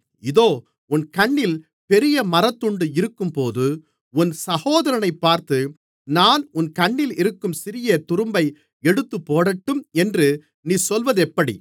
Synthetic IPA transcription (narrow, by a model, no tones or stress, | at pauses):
ɪðoː | ʊnkɐɳːɪl | pɛɾɪjɐmɐɾɐt̪ːʊɳɖɯɪɾɯkːɯmpoːðɯ | ʊnsɐhoːðɐɾɐnɐɪpːaːɾt̪ɯ | naːnʊnkɐɳːɪlɪɾɯkːɯmsɪɾɪjɐt̪ʊɾɯmbɐɪ | ɛɽɯt̪ːɯpːoːɽɐʈːɯmɛndrɯ | niːsɔlʋɐðɛpːɐɽḭ